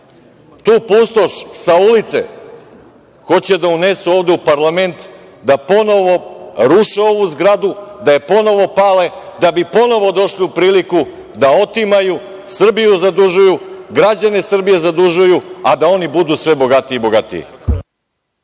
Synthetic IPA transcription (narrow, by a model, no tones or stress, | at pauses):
t̪uːpuːst̪o̞ʃsaulit̪sḛ | xo̞t͡ɕe̞d̪aunesuo̞ːʋd̪eupaɾlˠame̞nt̪ | d̪apo̞no̞ʋo̞ɾuʃeo̞ʋuzɡɾad̪ud̪aje̞po̞no̞ʋo̞pale̞d̪abipo̞no̞ʋo̞d̪o̞ʃliupɾiːliku | d̪ao̞t̪imaju | sr̩bijuzad̪uʒujuɡɾad͡ʑane̞sr̩bije̞zad̪uʒujuad̪ao̞nibud̪usʋe̞bo̞ɡat̪iibo̞ɡat̪ḭḭ